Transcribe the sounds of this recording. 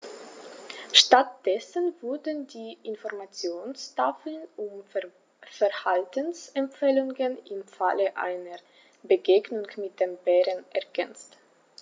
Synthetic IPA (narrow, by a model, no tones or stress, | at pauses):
ʃtat̚d̥ɛsənvʊɐdəndiːʔɪnfɔʁmat͡sjoːnsʃtaflənʊm | fɛɐhaltənsɛmfeːlʊŋənɪmfa̰ləʔa̰ɪnəʁ | bəɡeːɡnʊŋmɪt̚d̥eːmbɛːʁənʔɛɐɡɛnt͡st